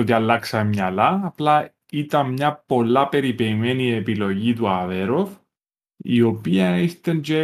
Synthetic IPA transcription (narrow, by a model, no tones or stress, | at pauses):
oðjɐlːɐksɐemɲɐlɐːplɐ | it̪ɐnmɲɐpo̞lːɐpe̞ɾipeimenie̞pilo̞ʝit̪uɐðe̞ɾof | ḭo̞piɐist̪end͡ʒe